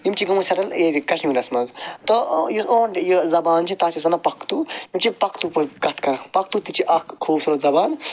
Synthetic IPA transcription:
jimt͡ʃʰiɡɐmusɐɾɐleːd̪ikɐʃnimiɾɐsmɐzt̪ɔjioːnjozɐbaːnt͡ʃʰit̪aːt͡ʃʰis̬ɐnɐpɐkt̪ujimt͡ʃʰipɐkt̪upɐɡɐt̪ʰkɐɾɐpɐk̚t̪ut̪it͡ʃʰiʔɐkkʰoːbsɐɾozɐbaːn

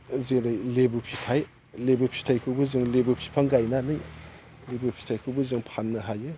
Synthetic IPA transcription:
zeɾɯjlebupʰitʰaj | lebupʰi̥tʰajkʰɯbɯzɯŋlebupʰi̥pʰaŋɡajnanɯj | lebupʰi̥tʰajkʰɯbɯzɯŋpʰanːɯɦajɯ

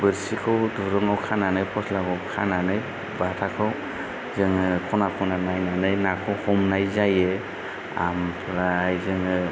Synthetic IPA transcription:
bɯɾsikʰɯwdɔɾɔŋawkʰananɯjpʰɔslaɡɔwkʰa̰nanɯj | batʰakʰɯw | zɯŋɯkʰɔnakʰɔnanajnanɯjnakʰɯwhɔmnajzaje | a̰mpʰɾajzɯŋɯ

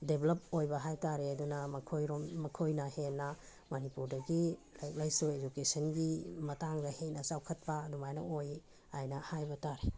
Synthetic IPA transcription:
deblɐp̚ojbɐɦajtaɾeɐdunɐmɐkʰojɾommɐkʰojnɐhenːɐ | manipuɾdɐɡilajk̚lajsued͡ʒukesɐnɡimɐtaŋdɐhenɐsawkʰɐt̚pɐdumajnɐ̰oj | ajnɐhajbɐtaɾe

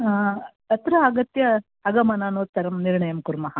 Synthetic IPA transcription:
ɐt̪ɾɐɐɡɐt̪jɐː | ɡɐmɐnaːnoːt̪ːɐɾɐmniɾɳɐjɐmkuɾmɐɦɐ

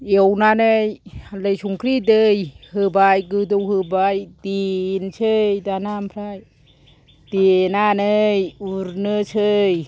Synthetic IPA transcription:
ewnanɯjalɯjsuŋkʰɾit̬ɯjhɯbajkɯdowhɯbajtinsʰɯjdanampʰɾaj | tenanɯjuɾnɯsɯj

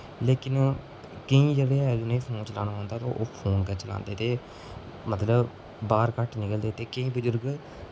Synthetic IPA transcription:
leːkɪn | kəĩːd͡ʒeːɽeːɦɛːd͡ʒoːnəĩːpʰoːnt͡ʃəla̰ːnaːãːnd̪aːt̪o̰ʔoːpʰoːnkɛːt͡ʃəla̰ːnd̪eːt̪eː | mət̪ləb | baːɾkəʈnɪkəld̪eːt̪eːkəĩːbəd͡ʒəɾɡ

